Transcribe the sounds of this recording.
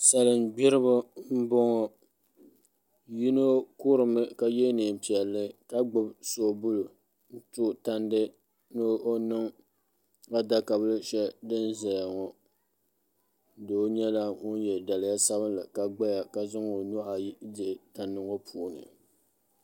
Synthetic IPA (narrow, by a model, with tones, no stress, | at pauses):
sa˨lɨ˨mɡ͡bɪ˦ɾɨ˦bɨ˦m̩˦bɔ˦ŋɔ˦ | ji˦no˦ku˦ɾɨ˨mɨ˦ka˦jɛ˦nɨ˨m˨pi˨ɛ˨lːɨ˦ka˦ɡ͡bʊ˦bso˦bʊ˦lo˨ | n̩˦tu˦ta˦ndɨ˦ | nɨ˦o˦nɨ˦ŋ | a˦da˦ka˨bɨ˦lɨ˦ʃɛ˦dɨ˦nza˨ja˨ŋɔ˨ | doː˦ɲɛ˦la˦ŋʊ˦n˦jɛ˨da˨lɪ˨ja˦sa˦βɨ˦nla˨ka˨ɡ͡ba˦ja˨ka˨za˦ŋo˨nu˦ʔa˨jdɪ˨ta˨ndɨ˦ŋɔ˦pʰuː˨˦nɨ̰˨